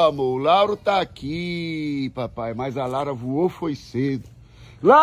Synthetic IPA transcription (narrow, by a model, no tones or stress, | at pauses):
amolawɾʊt̪aːki | papajmɐjzɐlawɾɐvuofojsed̪ʊ | la